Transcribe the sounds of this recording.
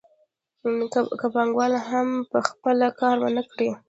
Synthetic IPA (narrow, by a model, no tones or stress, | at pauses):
kapaŋɡwɑlaɦampəxpəlakɑɾmə̰nəkɽi